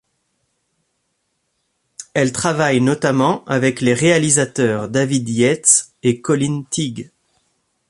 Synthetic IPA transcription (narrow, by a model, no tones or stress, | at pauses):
ɛlt̪χavajnɔt̪amɑ̃avɛkleʁealizat̪œʁd̪avid̪jɛt̪s | ekɔlint̪iɡ